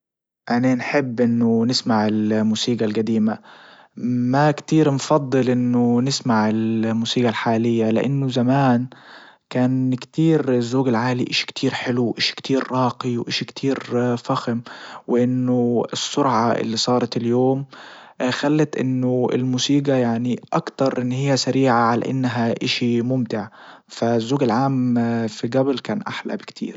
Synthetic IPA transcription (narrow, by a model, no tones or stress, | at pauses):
ʔananħɪbːʔɪnːʊnɪsmaʕɪlmuːsiːɡalɡad̪iːma | makt̪iːɾnfɑd̪ˤːɨlʔɪnːʊnɪsmaʕɪlmuːsiːɡalħaːlɪjːalɪ̰ʔa̰nːʊzamaːn | kaːnkt̪iːɾɪzːoːɡɪlʕaːliʔaʃi̥kt̪ʰiːɾħɪluwʔaʃi̥kt̪ʰiːɾːɑːqiwʔaʃikt̪ʰiːɾfaxɪmwɪʔɪnːʊɪsːʊɾʕɑʔɪ̰lːisˤɑːɾˤɑt̪ɪljoːm | xalːat̪ʔɪnːʊɪ̰lmuːsiːɡajaʕniʔɑkt̪ɑɾˤʔɪnːhɪjːasaɾiːʕaʕala̰ʔɪ̰nːɦaʔɪʃimʊmt̪ɪʕfazːoːɡalʕaːmfiɡæblkaːnʔa̰ħla̰bɪkt̪ʰḭːɾ